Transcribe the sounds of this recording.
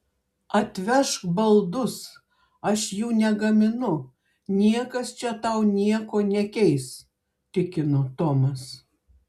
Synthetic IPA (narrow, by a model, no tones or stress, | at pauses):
ɐt̪ʲʋʲɛʃkbɐlˠd̪ʊs | ɐʃjuːnʲɛɡɐmʲɪnʊ | nʲiɛkɐst͡ʃʲɛt̪ɐʊnʲiɛkoːnʲɛkʲɛɪs | t̪ʲɪkʲɪnʊt̪oːmɐs